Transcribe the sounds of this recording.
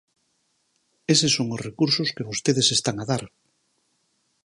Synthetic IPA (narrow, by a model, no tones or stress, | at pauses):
esesoŋozrekuɾsʊskeβost̪eðesest̪aŋaðaɾ